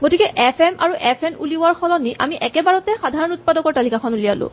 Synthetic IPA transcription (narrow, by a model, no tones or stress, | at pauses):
ɡotikɛʔɛpʰɛma̰ɹuʔɛpʰɛnuliʊaɹxʰɔlɔniʔa̰miʔɛkɛbaɹɔtɛxadʱaɹɔnut̚padɔkɔɹtalikakʰɔnulialʊ̰̃